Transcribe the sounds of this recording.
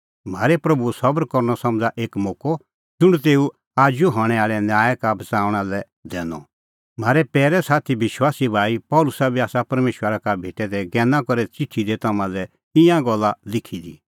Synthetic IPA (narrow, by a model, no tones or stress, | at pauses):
m̤aːɾɛpɾɐbusɐbɾkɔɾnɔsɐ̃md͡zaʔeːkmoːkɔ | d͡ʒʊɽ̃t̪̬eːu | aːd͡ʒuɦɔɽ̃ɛ̃aːɭɛnjaːjɛkabʱɐt͡saːʋɽ̃alɛ | d̪ɛːnɔ̰ | m̤aːɾɛpɛːɾɛsaːt̪ʰibɪʃwaːsibʱaːipɔːlʊsabiaːsapɐɾmeːʃwəɾakabʱeːʈɛd̪ɛɡɛ̃ːnãkɔɾɛt͡sɪʈʰːid̪et̪ɐmãlɛ | t̪ɪ̃jãɡɔlːalɪkʰid̪ḭ